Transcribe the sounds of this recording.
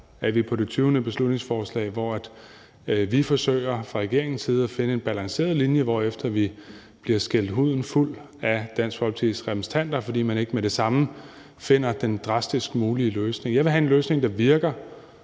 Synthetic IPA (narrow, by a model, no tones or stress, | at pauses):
æʋipʰɒ̽d̥e̝t͡sʰyːʊnəb̥e̝slud̥ne̝ŋsfɒːslɛ̰ːɪʋɒæd̥ | ʋifɒ̽sø̰ɪ̰ɐfʁɑ̈ʁɛɡ̥e̝ɐ̰e̝ŋn̩siːð̞̩ˠæfe̝nəe̝nb̥ælɑ̈ŋse̝̰ːɐð̞̩ˠlinjəʋɒ̰efd̥ɐʋi | b̥liɐsɡ̥el̰d̥ɦuð̞̰ˠn̩ful̰ | æd̥æn̰sɡpʰɒlit͡sʰḭðˠsʁɛmʰist͡sʰæn̰d̥ɐfɒ̽d̥ḭːmæne̝ɡ̥əmeɾ̥e̝sɑ̈mə | fe̝n̰ɐd̥end̥ʁɑ̈sd̥isɡ̥əmuːliəløːsne̝ŋjɑ̈ʋe̝ɦæe̝nløːsne̝ŋd̥ɑ̈ʋiɐɡ̥ɐ